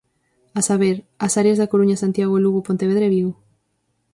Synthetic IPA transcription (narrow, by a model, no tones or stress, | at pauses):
asaβ̞eɾ | asaɾjazðakoɾuɲasant̪jaɣ̞oluɣopont̪eβeðɾeβiɣo